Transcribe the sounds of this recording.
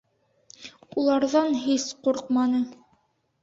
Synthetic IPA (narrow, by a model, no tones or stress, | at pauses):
ulˠɑɾðɑnɦisquɾq̚mɑnɤ